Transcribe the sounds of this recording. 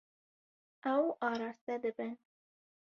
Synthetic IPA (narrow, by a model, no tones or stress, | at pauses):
awɑɾɑst̪ad̪əban